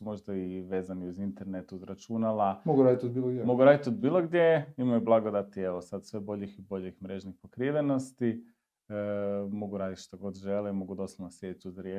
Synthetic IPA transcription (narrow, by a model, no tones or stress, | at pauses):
umo̞ʒd̪aiʋe̞ːzaniuzint̪e̞ɾne̞t̪uzɾat͡ʃunalamoɡuɾaːd̪it̪od̪̚biːlˠoɡ̪jemo̞ɡuɾaːd̪it̪od̪̚biːlˠo̞ɡd̪je̞imojublˠaɡo̞d̪at̪ieʋo̞sad̪sʋebo̞ʎixibo̞ʎixmɾe̞ʒnixpokɾiʋeno̞st̪i | mo̞ɡuɾaːd̪it̪ʃt̪oɡo̞d̪ʒe̞limo̞ɡud̪o̞sonosje̞d̪it͡ʃ̪uzɾje